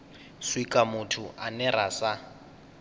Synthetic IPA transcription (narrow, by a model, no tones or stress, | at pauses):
swikʼamʊtʰuʔanɛrasa